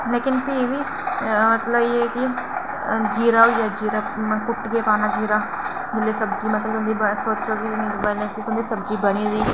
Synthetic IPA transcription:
leːkɪnpiːʋi | mɐt̪ləbjeki | d͡ʒiːɾaojad͡ʒiːɾa | mkʊʈɡepaːnad͡ʒiːɾa | d͡ʒɪlːesɐbd͡ʒiːmɐt̪ləbʊ̃nd̪ibəsoːt͡ʃt͡ʃoːd̪ibənẽkõːkʊnd̪isɐbd͡ʒibɐɽ̃id̪iː

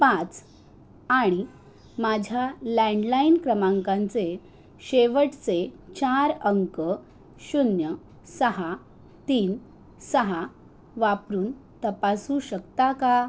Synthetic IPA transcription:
pãt͡s | aɽ̃i | mad͡ʑʱjalɛɳɖlainkɾəmãŋkãnt͡se | ɕeʋəʈt͡set͡ɕaɾəŋkə | ɕunjə | səɦa | t̪iːn | səɦa | ʋapɾuːnt̪əpasũɕəkt̪aka

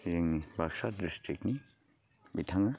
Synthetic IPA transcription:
ziŋbaksat̚distik̚ni | bit̪ʰaŋa

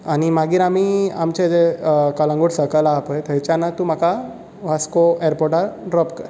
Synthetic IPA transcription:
añimaɡiːɾamia̰mt͡ɕed͡zekalãŋɡoɽsəkəlaːpəjt̪əjt͡ɕanːat̪um̤aka | ʋ̤askoeɾpɔɾʈaɾɖɾɔpkəɾ

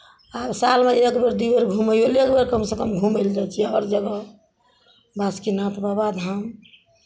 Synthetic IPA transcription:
absalmeekbeɾd̪ibəɾɡʱuməjolekbeɾkəmsekəmɡʱuməld͡ʒajt͡ʃʰiaəɾd͡ʒəɡə | baskinat̪babad̪ɦəm

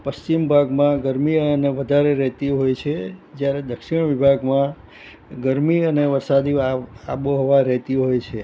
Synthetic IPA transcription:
pəst͡ʃimbʱaɡmãɡəɾmiəneʋəd̪ʱaɾeɾɛɦt̪iɦojt͡ʃʰed͡ʒjaɾed̪əkʃiɽ̃ʋibʱaɡmã | ɡəɾmiəneʋəɾsad̪ia̰boɦɔʋaɾɛɦt̪iɦojt͡ʃʰe

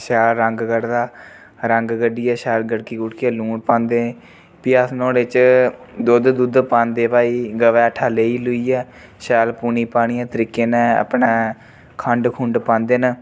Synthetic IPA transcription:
ʃɛːlɾəŋɡɡəɽd̪aː | ɾəŋɡɡəɖiːɛːʃɛːlɡəɽkiːɡʊʈkːɛːlũːɳpãːnd̪eː | piːaːsnõːɽeːt͡ʃ | d̪oːd̪d̪uːd̪pãːnd̪eːpaːiːɡəʋɛːʈʰaːleːiːlʊiːɛː | ʃɛːlpuːniːpaːɽ̃iːãːt̪əɾiːkːeːnɛ̃ːə̰pɳɛː | kʰəɳɖkʰʊ̃ɳɖpãːnd̪eːnə

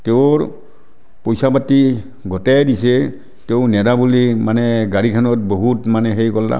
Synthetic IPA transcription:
teʊɹ | pɔjsabati | ɡɔtɛdisɛ | teʊnɛdabulimanɛɡaɹikʰanɔt̚boɦutmanɛxejkɔlːa̰

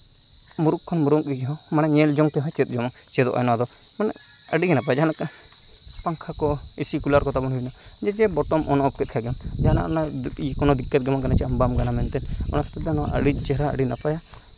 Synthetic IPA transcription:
muɾuk̚ʰːɔnmuɾuŋɡiɡɛɦɔ | manaɲɛld͡ʒɔŋt̪ɛɦɔ̃t͡ʃɛt̪̚ˀd͡ʒɔmɔŋ | t͡ʃɛd̪ɔ̰ʔa̰jnɔwad̪ɔ | manɛ̰ | əɖiɡɛnapajad͡ʒanak | paŋkʰakɔ | isikulaɾkɔt̪abɔnɦujna | d͡ʒɛt͡ʃɛbɔʈɔmɔnɔɔp̚kɛt̪̚kʰaɡɛm | d͡ʒaana̰ʔɔna | ikɔnɔd̪ikːɛt̪̚ɡɛmaŋkanat͡ʃɛambamɡanamɛnt̪ɛɔ̰nast̪aanɔʔə̰ɖiˀt͡ʃɛɾa̰ːɽinapaja

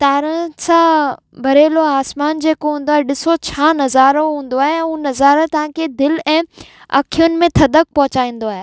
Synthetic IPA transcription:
t̪aːɾəsã | bʱɐɾeːloaːsmaːnd͡ʑeːkoɦũːnd̪oaːɦeɗɪsot͡ɕʰaːnɐzaːɾoɦũːn̆d̪oaːɦẽunɐzaːɾət̪ɐʋ̤ãkʰed̪ɪlɛ̃ː | ɐ̰kʰijʊnɪ̆mẽt̪ʰɐd̪ək̚pɐɦʊt͡ɕaːĩːn̆d̪oaːɦe

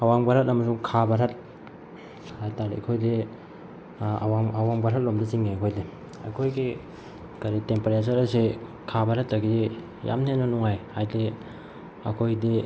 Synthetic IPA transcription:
awaŋbaɾhatɐmɐsuŋkʰabaɾat̚ | hajtaɾḭɐ̰kʰojde | awaŋawaŋbaɾɦat̚lomdasiŋajkʰojdi | ɐ̰jkʰojɡi | kɐɾitempeɾesaɾɐse | kʰabaɾatːɐɡidi | ja̰mnenɐnuŋajhajde | ɐkʰojdi

